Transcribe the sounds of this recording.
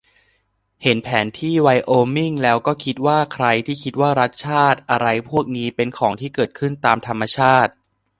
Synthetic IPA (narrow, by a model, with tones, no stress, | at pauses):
he˩˦npʰɛː˩˦nt̪ʰiː˥˩wa˧jʔoː˧mi˥˩ŋlɛː˦˥wkɔː˥˩kʰi˦˥t̪̚waː˥˩kʰɾa˧jt̪ʰiː˥˩kʰi˦˥t̪̚waː˥˩ɾa˦˥t̪̚t͡ɕʰaː˥˩t̪̚ʔa˧ɾa˧jpʰu˥˩ək̚niː˦˥pe˧nkʰɔː˩˦ŋt̪ʰiː˥˩kɤː˨˩t̪̚kʰɯ˥˩nt̪aː˧mt̪ʰa˧mːa˧t͡ɕʰaː˥˩t̪̚